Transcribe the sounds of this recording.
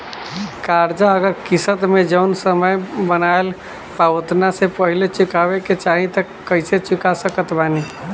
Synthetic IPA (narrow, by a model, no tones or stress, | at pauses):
kaɾd͡ʒaəɡəɾkisət̪med͡ʒəʊnsəməjbənael | paot̪nasepəɦilet͡ʃikabeket͡ʃaɦĩt̪əkəɪset͡ʃikasəkət̪bani